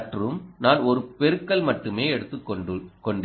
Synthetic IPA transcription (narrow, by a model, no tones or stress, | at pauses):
ʈrɯmnaːnɔɾɯpɛɾɯkːɐɭmɐʈːɯmeːɛɽɯt̪ːɯkkɔɳɖ